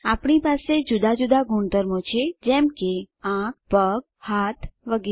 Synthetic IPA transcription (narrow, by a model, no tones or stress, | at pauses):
apɳipased͡ʒud̪ad͡ʒud̪aɡuɳd̪əɾmot͡ʃʰed͡ʒɛmke | ãk̚pəɡ̚ | hat̪ʰʋəɡi